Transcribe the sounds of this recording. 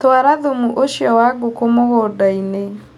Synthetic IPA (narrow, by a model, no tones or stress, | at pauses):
twaɾaðomuʔoʃjɔwaɡokomoɣɔːdaine